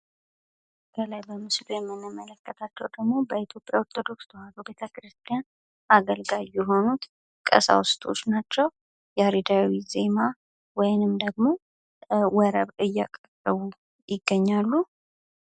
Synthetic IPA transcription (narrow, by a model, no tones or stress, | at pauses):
kʰəlajbəmɨslujɛmːɨnːɨmːələkːət̪ʰat͡ʃːɛwd̪əɡmo̞bəit̪ʰjo̞pʼjawɔɾt̪ʰo̞d̪o̞kst̪ʰəhad̪ube̞t̪ʰəkɾɨst̪ʼijan | aɡəlɡajɛɦo̞nut̪ | kʼə̰sa̰wst̪ʰʼo̞̰t͡ʃːnat͡ʃːɛw | jɛhɾid̪awize̞ma | wɔjnɨmd̪əɡmo̞ | wəɾəβɨjːa̰kʼərəβu | jɪɡːəɲːalːu